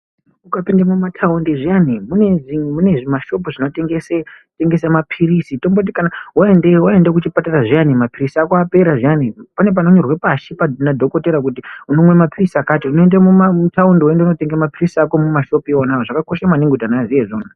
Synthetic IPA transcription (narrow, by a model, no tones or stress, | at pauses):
ukapindamumatʰaundiʐianimuneʐiemune̞ʐimaʃo̞puʐino̞teŋɡese | te̞ŋɡe̞semapʰirisitombot̬ikanawaendewae̞ndekut͡ʃipataraʐianimapirisiakoape̞ɾaʐianipane̞p̬ano̞ɲo̞rwe̞paʃipanadʱo̞ko̞teɾak̬utiuno̞mwe̞mapirisakaːtiunoendemumutaunduendeuno̞teŋɡamapirisiako̞mumaʃo̞peonajoʐakako̞ʃamwaniŋɡutanazijeʐoːnu